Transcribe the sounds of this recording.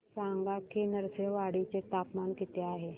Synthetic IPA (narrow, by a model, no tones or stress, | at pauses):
saŋɡakenəɾseʋaɽit͡set̪apmankit̪eaɦe